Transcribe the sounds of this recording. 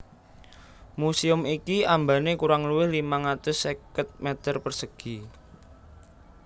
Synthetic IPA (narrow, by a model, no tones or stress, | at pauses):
musiʊmikiambanekuɾaŋluwɪhlimaŋat̪ʊsekət̪̚mɛt̪ərpərsəɡ̥i̤